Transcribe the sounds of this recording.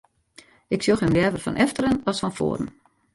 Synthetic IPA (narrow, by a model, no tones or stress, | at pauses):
ɪksjoxɪnʋɛːvərfɔ̰nʔɛftəɾənɔsfɔnfo̰ːɾən̩